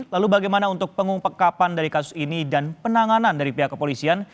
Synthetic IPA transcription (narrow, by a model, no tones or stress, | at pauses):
lalubaɡajmanaunt̪ʊk̚pəŋuŋpəkapandaɾikas̬ʊ̥sinidanpənaŋanandaɾipiɦaʔkːəpolisian